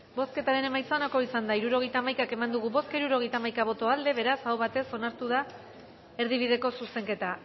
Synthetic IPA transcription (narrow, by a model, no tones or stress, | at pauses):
bo̞ske̞t̪aɾe̞ne̞majsaonako̞isand̪aiɾuɾo̞ɣ̞e̞jt̪aːmajkake̞mand̪uɣ̞uβo̞skaiɾuɾo̞ɣ̞e̞jt̪aːmajkaβ̞o̞t̪o̞ald̪e̞βe̞ɾasawβat̪e̞so̞naɾt̪uð̞a | e̞ɾð̞iβ̞ið̞e̞ko̞suse̞ŋke̞t̪a